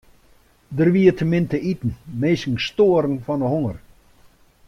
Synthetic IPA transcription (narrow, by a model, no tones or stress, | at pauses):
dərʋiətʰəmɪntəitn̩meːsŋ̩stoəɾən̩fɔnəɦoŋər